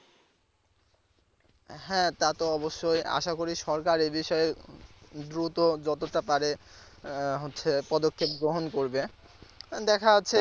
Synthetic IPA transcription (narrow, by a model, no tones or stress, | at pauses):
hɛ̃t̪at̪oɔboʃːoja̰ʃakoɾiʃɔɾkaɾebiʃɔe | d̪ɾut̪od͡ʑɔt̪oʈapaɾe | ɦotːʰepɔd̪okʰːep̚ɡɾoɦonkoɾbe | d̪ɛkʰaotːʰe